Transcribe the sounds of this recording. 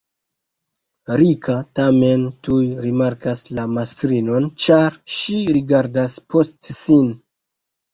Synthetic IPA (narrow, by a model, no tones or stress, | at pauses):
ɾikʰatame̞ntujɾimaɾkaslamastɾino̞nt͡ʃaɾʃiɾiɡaɾdaspo̞stsin